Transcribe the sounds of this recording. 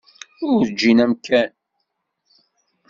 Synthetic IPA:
ʊɾd͡ʒːinæmkæn

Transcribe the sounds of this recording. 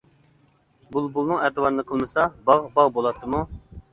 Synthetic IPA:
bulˠbulˠnɨŋɛt̪ɨwɑɾɨnɨqʰəlˠmɨsɑbɑʁbɑʁbolˠɑt̪ʰːɨmu

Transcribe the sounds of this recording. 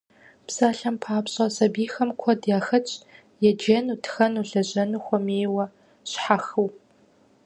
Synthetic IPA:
psaːɬɐmpʰaːpɕʼɐsɐbiːxɐmkʷʰɔdjaːxɐt͡ʃʼ | jɛd͡ʒenutʰxɐnuɮɐʑɐnuxʷɔmeːwɐ | ɕħaxɨw

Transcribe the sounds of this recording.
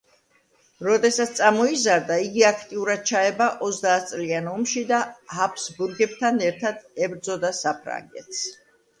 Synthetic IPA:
ɾɔd̪ɛsat̪st̪sʼamɔizaɾd̪aiɡiakʰt̪ʼiuɾad̪̥̚t͡ʃʰaɛbaʔɔzd̪aːt̪̚ʰt̪sʼlianɔmʃid̪ahapʰsbuɾɡɛb̚t̪ʰanɛɾt̪ʰad̪̥ɛbɾd̪zɔd̪asapʰɾa̰ŋɡɛ̰t̪ʰs

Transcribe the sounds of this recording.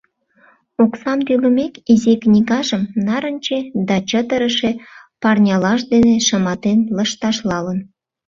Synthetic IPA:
oksɑmt̪yɣə̆mekiziknʲiɣɑʒəmnɑɾənʲt͡ɕed̪ɑt͡ɕət̪əɾəʃepɑrnʲɑlɑʃ̬d̪eneʃəmɑt̪enləʃt̪ɑʃlɑlən

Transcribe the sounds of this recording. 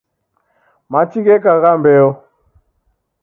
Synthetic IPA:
mat͡ʃiɣɛkaɣambɛɔ

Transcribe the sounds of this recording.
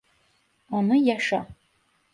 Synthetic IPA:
anɨjaʂa̰

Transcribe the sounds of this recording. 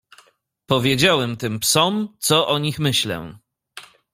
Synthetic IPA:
pɔvʲjed͡ʑawɛmt̪ɘmpsɔmt̪sɔʔɔɲixmɘɕlɛ̰

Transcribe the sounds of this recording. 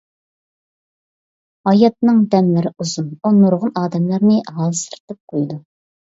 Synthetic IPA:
ɑjɑt̪̚nɨŋd̪ɛnlɪɾɪuzununuɾʁʊnɑːd̪ɛmlæɾnɪɦɑlˠsɨ̥ɾt̪ɨp̚qʰojd̪u

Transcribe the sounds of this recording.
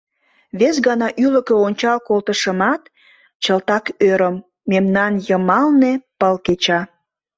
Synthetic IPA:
βes̬ɣɑnɑʔyləkøonʲt͡ɕɑlkolt̪əʃəmɑt̪ | t͡ɕəlt̪ɑkøɾəmː | emnɑnjəmɑlnepəlket͡ɕɑ

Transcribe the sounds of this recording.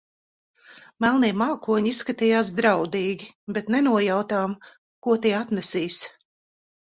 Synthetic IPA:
mælˠniːmaːkuɔɲisːkat̪ijaːs̬d̪ɾawd̪iːɡʲibet̪nɛnuɔjawt̪aːm | kuɔt̪iɛat̪nɛsiːs

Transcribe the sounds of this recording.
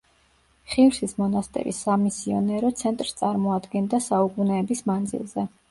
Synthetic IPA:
χivɾsismɔnast̪ʼɛ̰ɾḭsːamisiɔnɛɾɔt̪sʰɛnt̪ʼɾst̪sʼaɾmɔad̪ɡɛnd̪asaukʼunɛːbismand̪zḭlˠzɛ

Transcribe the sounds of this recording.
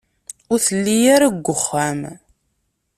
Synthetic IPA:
ʊɾθəlːijaɾaɡʷːəχːæm

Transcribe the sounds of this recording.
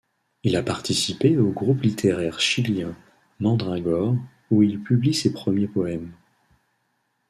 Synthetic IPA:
ilapaʁt̪isipeoɡʁuplit̪ʰeʁɛʁʃiljɛ̃ | nɑ̃d̪ʁɛ̃ɡɔʁ | uilpyblisepχəmjepɔɛm

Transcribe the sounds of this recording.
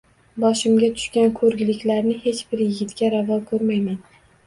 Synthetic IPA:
bɒʃɪmɡʲat̪ʰʊ̥ʃkʲankʰɵɾɡʲɪlɪkʲlaɾnɪhe̞t͡ʃb̥ɪɾjɪɡʲɪt̪kʲaɾavɒlˠkʰɵɾmajman

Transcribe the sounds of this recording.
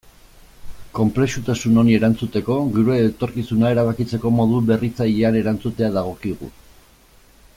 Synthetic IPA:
ko̞mple̞sut̪asuno̞nie̞ɾant͡sut̪e̞ko̞ɣuɾueːt̪o̞ɾkisunae̞ɾaβ̞akit͡se̞ko̞mo̞ðuβe̞rit͡saʎeane̞ɾant͡sut̪e̞aðaɣ̞o̞kiɣ̞ṵ

